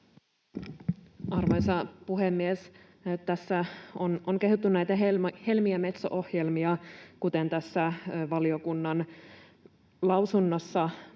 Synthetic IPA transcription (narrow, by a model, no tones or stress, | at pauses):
ɑrʋɑjsɑpuɦemːies | t̪æsːæonoŋk̟e̞ɦut̪ːunnæjt̪æɦehe̞lmiæme̞t̪so̰ʔohje̞lmiɑkut̪e̞nt̪æsːæʋɑliokunːɑn | lɑwsunːosːɑ